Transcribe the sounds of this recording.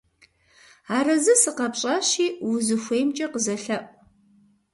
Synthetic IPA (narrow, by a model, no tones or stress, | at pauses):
aːrɐzɨsɨqɐpɕʼɐɕiːwʊzɨxʷeːjmt͡ʃʼɐqəzɐɬɐpʼ